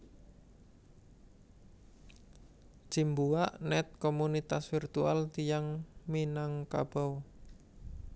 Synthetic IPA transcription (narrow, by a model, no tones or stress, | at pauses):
ʒ̥imbuwaʔnɛt̪̚komunit̪asfirt̪ua̰lt̪ijaŋminaŋka̰b̥ɔw